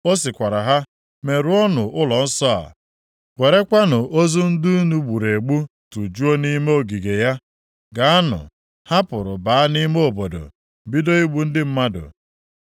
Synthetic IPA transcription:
o˦s̬ɪ˨kʷa˨ɾa˨ɦa˦ | me˨ɾu˦ɔ˦nʊ˨ʔʊ˦lɔ˨n̩˦sɔ˦a̰˨ | wʷe˨ɾe˦kʷa˦nʊ˨ʔo˦zu˦n̩˦du˦nu˦ɡ͡bu˨ɾe˨ɡ͡bu˦tu˨d͡ʒu˦o˦ni˦me˦o˨ɡi˨ɡe˨ja˦ | ɡa˨˦a˦nʊ̰˨ | ha˦pʊ˨ɾʊ˨ba˨a˦ni˦me˦o˨bo˨do̰˨ | bi˦do˦i˦ɡ͡bu˦n̩˦dɪ˦m̩˦ma˦dʊ̰˨

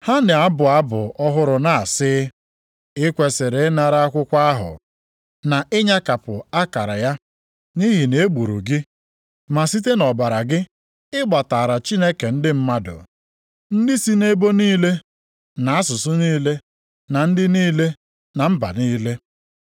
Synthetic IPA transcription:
ha˦nɪ˨a˦bʊ˨a˦bʊ̰˨ɔ˦ɦʊ˦ɾʊ˨na˨sɪ˦ | ɪ˦kʷe˨se˨ɾe˨˦na˨ɾa˦a˦kʷʊ˦kʷa˦ɦʊ̰˨ | na˨ʔɪ˦ɲa˦ka˨pʊ˨a˦ka˨ɾa̰˨ja˦ | ni˦ɦi˨ne˨˦ɡ͡bu˨ɾṵ˨ɡɪ˦ | ma˨si˦t̬e˦nɔ˨ba˨ɾa˨ɡɪ˦ | ɪ˦ɡ͡ba˨ta˨ɾa˨t͡ʃi˦ne˦ke˨n̩˦dɪ˦m̩˦ma˦dʊ̰˨ | n̩˦dɪ˦si˦ne˦bo˦niː˦le˦ | na˨a˦sʊ˨sʊ˦niː˦le˦ | na˨n̩˦dɪ˦niː˦le˦ | na˨m̩˦ba̰˨niː˦le˦

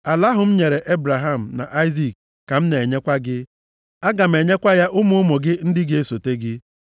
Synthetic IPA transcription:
a˨la˦ɦʊ˨m̩˦ɲe˨ɾe˨ʔe˦bɾa˨ɦa˦˨m̩˨na˨ʔa˦ɪ˦zi˦˨k̚ː | a˨m̩˦ne˨e˨ɲe˦kʷa˦ɡɪ˦ | a˦ɡa˨m̩e˨ɲe˦kʷa˦ja˦ʔʊ˦mʊ˦ʊ˦mo˨ɡɪ˦n̩˦dɪ˦ɡe˦e˦so˨te˦ɡɪ˦

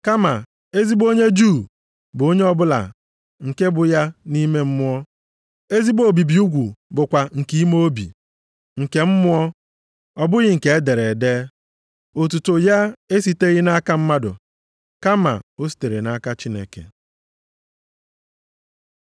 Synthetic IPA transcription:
ka˦ma˨ | e˦zi˦bo˦ɲe˦d͡ʒu˦˨ | bʊ˨o˦ɲe˦ɔ˦bʊ˦la̰˨ | ŋ̩˨ke˦bʊ˨ja˦ni˦me˦m̩˦mʊ˦ɔ˦ | e˦zi˦bo˨bi˨bi˨u˦ɡʷu˨bʊ˨kʷa˨ŋ̩˨ki˦i˦mo˦bḭ˨ | ŋ̩˨ke˨m̩˦mʊ˦ɔ˦ | ɔ˨bʊ˦ɣɪ˦ŋ̩˨ke˨e˦de˨ɾe˨deː˦ | o˨t̬u˨to˨ja˦e˦si˨te˦ɣɪ˦na˦ka˦m̩˦ma˦dʊ̰˨ | ka˦ma̰˨o˦s̬i̥˨te˨ɾe˨na˦ka˦t͡ʃi˦nḛ˨kḛ˨

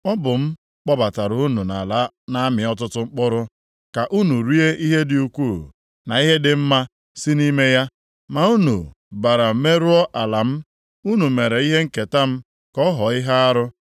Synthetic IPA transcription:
ɔ˦bʊ˨m̩˦ | k͡pɔ˦ba˨ta˨ɾʊ˨u˦nu˨na̰˨la˦ | na˦mɪ˨ɔ˦tʊ˦tʊ˦ŋ͡m̩˦k͡pɔ˦ɾʊ˦ | ka˨ʔu˦nu˨ɾi˦e˦ʔi˦ɦe˦dɪ˨u˨kʷu˦˨ | na˨i˦ɦe˦dɪ˨m̩˦ma˦ | si˦ni˦me˦ja˦ | ma˨u˦nṵ˨ | ba˨ɾa˨˦me˦ɾu˦ɔ˦ʔa˨la˨m̩˦ | u˦nu˨me˨ɾe˨i˦ɦe˦ŋ̩˦ke˨ta˦m̩˦ | kɔ˦ɦɔ˨i˦ɦa˦a˦ɾʊ˦

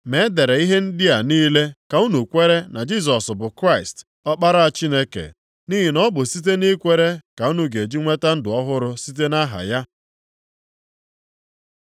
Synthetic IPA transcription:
me˨˦de˨ɾe˨i˦ɦe˦n̩˦dɪ˦a˨niː˦le˦ka˨u˦nu˨kʷe˦ɾe˦na˨d͡ʒi˦˨s̬ɔ˨sbʊ˨kɾa˦ɪ˨st | ɔ˦k͡pa˦ɾa˦a˨t͡ʃi˦ne˦kḛ˨ | ni˦ɦi˨nɔ˦bʊ˨si˦t̬e˦ni˦kʷe˦ɾe˦ka˨u˦nu˦ɡe˨d͡ʒi˦ŋʷe˦ta˦n̩˦dʊ˨ɔ˦ɦʊ˦ɾʊ˦si˦t̬e˦na˦ɦa̰˨ja˦

